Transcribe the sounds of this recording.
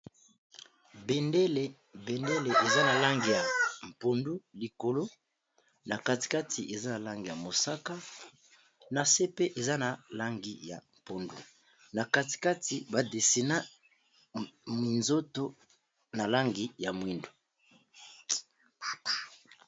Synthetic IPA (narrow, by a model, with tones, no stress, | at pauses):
be˨nde˦le˨ | be˨nde˦le˨ʔe˨za˦na˨la˦ŋɡi˨ja˨m̩˨po˨ndu˦li˨ko˨lo˦ | na˨ka˦ti̥˨ka˦tʰi˨ʔe˨za˦na˨la˦ŋɡi˨ja˨mo˨sa˦ka˦ | na˨se˦pe˦ʔe˨za˦na˨la˦ŋɡi˦ja̰˨m˨po˨ndu˦ | na˨ka˦ti̥˨ka˦ti˨ba˨de˨si˨na˦ | mi˨nzo˦to˦ | na˨la˦ŋɡi˦ja˨mwi˦ndu˨